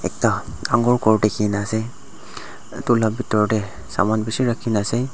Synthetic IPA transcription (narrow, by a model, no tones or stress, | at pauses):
ɛ̰k̚taaŋɡɔɹkɔɹdɛkʰinasɛ | tulabitɔɹɔtɛ | sa̰manbisiɹakʰinasɛ